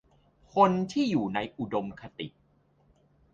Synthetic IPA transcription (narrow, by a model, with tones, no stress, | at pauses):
kʰo˧nt̪ʰiː˥˩juː˨˩na˧jʔu˨˩do˧mkʰa˧t̪ḭ˨˩ʔ